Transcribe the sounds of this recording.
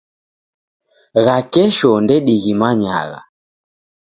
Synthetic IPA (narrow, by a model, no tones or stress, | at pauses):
ɣakɛʃɔndɛɗiɣimaɲa̰ɣa̰